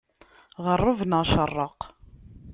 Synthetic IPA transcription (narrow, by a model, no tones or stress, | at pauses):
ʁərˤːʊvnəʁʃərˤːəq